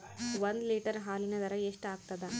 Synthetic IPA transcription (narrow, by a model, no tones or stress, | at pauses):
ʋɐnd̪liːʈɐɾɦaːlinɐd̪ɐɾɐeʂʈaːɡ̚t̪ɐd̪e